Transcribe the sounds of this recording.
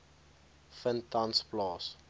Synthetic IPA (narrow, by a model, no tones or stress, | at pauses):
fəntãnsplɑːs